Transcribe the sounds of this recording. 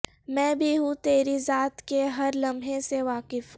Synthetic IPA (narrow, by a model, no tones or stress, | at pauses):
mɛ̃ːbʱiɦũt̪eːɾizaːt̪keɦɐɾlɐ̃mʱɦẽseʋaːkɪf